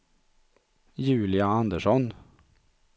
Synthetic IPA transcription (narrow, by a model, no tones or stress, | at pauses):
jʉ̟ːlɪaand̪əʂɔn